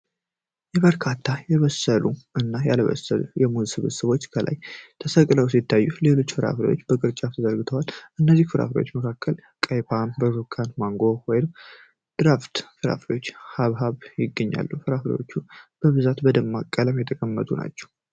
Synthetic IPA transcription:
jɛβəɾkʰat̪ʰːajɛβəsəluʔɨnːaja̰ləβə̰səlṵjɛmuzisɨβɨsəβo̞t͡ʃːkʰəlʔa̰jt̪ʰəsəkʼləwsit̪ʰːajːule̞lo̞t͡ʃːfɨɾa̰fɾḛwot͡ʃːbəkʼɨɾt͡ʃʼat̪ʰəzəɾɡɨt̪ʰəwalʔɨnːəzːihfɨɾa̰fɾewo̰t͡ʃːməkʰakːəl | kʼəjpʰanbəɾukʰːanmaŋɡo̞wɔjɪnɨm | d̪̥ɨɾaft̪fɨɾa̰fɾewo̞t͡ʃːhaβɦaβjɪɡːəɲːa̰lːufɨɾafɾḛwo̞t͡ʃːub̥əβɨzat̪bəd̪əmːakʼːələmjɛt̪ʰəkʼəmːə̰t̪ʼuna̰t͡ʃːɛ̥w

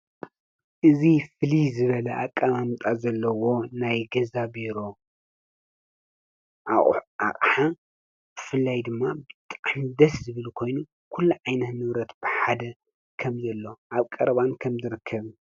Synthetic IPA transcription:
ʔɨzifɨlizɨβɐlɐʔakʼːaβamt̪ʼazɐlːɐwo̞najɡɐzaβiɾo̞ | ʔaʔa̰χʼħa | b̥ɨfɨlːajd̪ɨmːabɨt̪ʼaʕmd̪ɐszɨβɨlkʰo̞jnu | kʰulːuʕajnɐt̪nɨβɾɐt̪b̥ɨħad̪ɐ | kʰɐmzɐlːo̞ʔaβkʼɐɾɐβankʰɐmzɨɾɨkʰːɐβ

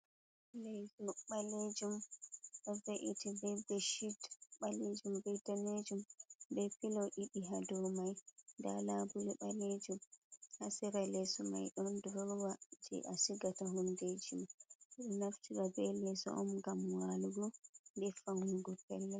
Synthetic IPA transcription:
lɛsɔɓaled͡ʒumɗɔveʔitibɛbɛʃitɓaled͡ʒumbɛjtaned͡ʒumbɛpilɔʔiɗiɦadɔmajnda̰labuɾiɓaled͡ʒumhasɛɾalɛsɔma̰jɗɔndɔɾwad͡ʒɛ̰ʔasiɡataɦunded͡ʒumɗɔnaftiɾabɛlɛsɔ̰ʔɔmɡamwaluɡɔndɛfaŋuŋɡɔpɛlːɛ

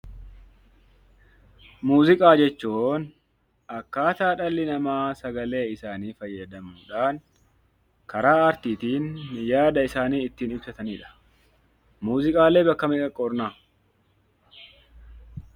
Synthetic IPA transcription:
muːzɪkʼaːd͡ʒɛt͡ʃːuːn | ʔɐkːaːt̪aːᶑɐlːɪnɐmaːsɐɡɐle̞ːɪsaːniːfɐjːɐd̪ɐmuːᶑaːn | kɐɾaːɐɾt̪iːt̪iːnjaːd̪ɐɪsaːniːɪt̪ːiːnɪbsɐt̪ɐniːᶑɐ̥ | muːzɪkʼaːlːe̞ːbɐkːɐmɛkʼɐkʼːɔɾnaː

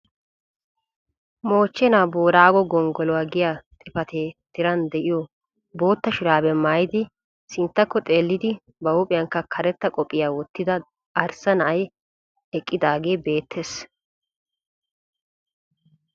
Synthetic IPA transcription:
mo̞ːt͡ʃːɛnaːboːɾaːɡɔɡɔŋɡɔlɔwaːɡɪjat̪ʼɪpɐt̪ʰeːt̪ːɪɾɐnd̪ɛʔɪjɔ | bo̞ːt̪ːɐʃʊɾaːbɛmaːjɪd̪ɪ | sɪnt̪ːɐkːɔt̪ʼe̞ːlːɪd̪ɪ | bɐwʊpʼɪjɐŋkːɐkʰɐɾɛt̪ːɐkʼɔpʼːɪjaːwɔt̪ːɪd̪ɐ | ɐɾsɐnɐʔɐj | ɛkʼːɪd̪aːɡe̞ːbe̞ːt̪ʰːeːs

